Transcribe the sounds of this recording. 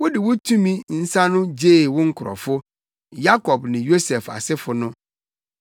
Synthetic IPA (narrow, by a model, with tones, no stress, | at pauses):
wʊ˦dɪ˨wʊ˦tʰũ˦mĩ˦n̩˦sã˦nʊ̃˦d͡ʑeː˦˨wʊ̃˦ŋ̩˦kʰʊ˨ɾɔ̰˨fʊ˦ | ja˦kʰɔ˨b̚nɪ̃˨jo˦sɛ˨fa̰˨sɪ˦fʊ˨nʊ̃˦